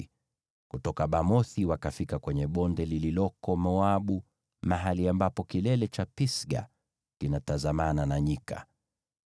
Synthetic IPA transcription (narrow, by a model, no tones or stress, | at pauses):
kutɔkaɓamɔθiwakafikakwɛɲɛɓɔndɛlililɔkɔmɔaɓu | maɦaliambapɔkilɛlɛt͡ʃapisɡa̰ | kinatazamananaɲika̰